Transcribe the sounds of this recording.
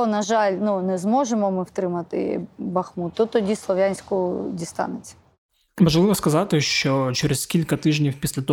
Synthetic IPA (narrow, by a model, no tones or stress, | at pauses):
ɔnɐʒɑlʲnunɛzmɔʒemɔmɪwt̪ɾɪmɐt̪ɪ̰bɐxmut̪ːɔt̪ɔdʲislˠɔʋʲjanʲsʲkʊdʲist̪ɑ̰nɪt͡sʲɐ̥ | ʋɐʒlˠɪʋɔskɐzɑt̪ɪʃt͡ʃɔt͡ʃɛɾɛskʲilʲkɐt̪ɪʒnʲiwpʲisʲlʲɐt̪ɔ